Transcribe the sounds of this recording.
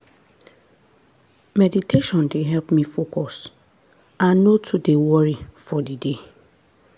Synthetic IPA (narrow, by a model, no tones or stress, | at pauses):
mɛditʰeʃɔ̃ndeɦɛlpmĩfokʰɔs | ãnːotʰudewɔɹifɔdide